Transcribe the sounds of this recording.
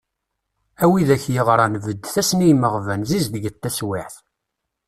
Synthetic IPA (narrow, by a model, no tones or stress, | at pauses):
æwiðæçjiʁɾˤɑnvəd̪ːθæsnijməʁvænzizðəʝət̪ːæswɪħθ